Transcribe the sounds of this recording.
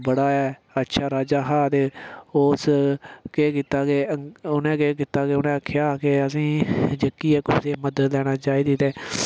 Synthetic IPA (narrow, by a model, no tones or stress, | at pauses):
bəɽaːɛː | ətːʃʰaːɾaːd͡ʒaːɦaːt̪eːoːskeːkiːt̪aːkeʊnɛ̃ːkeːk̬ɪt̪aːkeʊnɛ̃ːəkʰːjaːkeəs̬ĩːd͡ʒəkːiːɛːkʊseːməd̪ət̪lɛːɽ̃aːt͡ʃaːiːd̪iːt̪eː